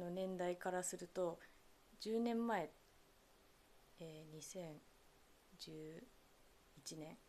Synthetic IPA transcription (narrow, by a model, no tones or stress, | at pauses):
no̞nẽ̞nd̪aikaɾasɨɾɯ̟t̪o̞ | d͡ʑɨːnẽ̞mːae̞ | eːɲ̟isẽ̞ɰ | d͡ʑɨː | it͡ɕinẽ̞ŋ